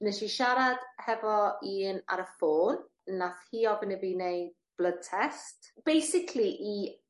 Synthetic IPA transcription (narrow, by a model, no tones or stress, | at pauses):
nɛʃiʃaɾad̥hɛvɔiːna̰ɾəfoːn | nːaθhiːɔbənəviːnej | b̥lˠəd̚tʰɛstb̥ejsɪkʰliʔi